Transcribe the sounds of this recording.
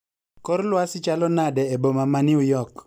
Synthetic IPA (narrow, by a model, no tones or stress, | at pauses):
kɔɾlwasɪt͡ʃalɔnadɛɛbomamanɪʊjɔk